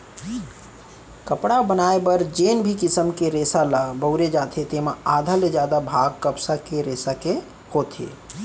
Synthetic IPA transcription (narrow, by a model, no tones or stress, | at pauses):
kəpɽabənaːebəɾd͡ʒeːnbʱikɪsəmkeɾeːsalabəʊɾed͡ʒaːt̪ʰet̪emaaːd̪ʱaled͡ʒjaːd̪abʱaːɡ̚kəpsakeɾeːsake | koːt̪ʰḛ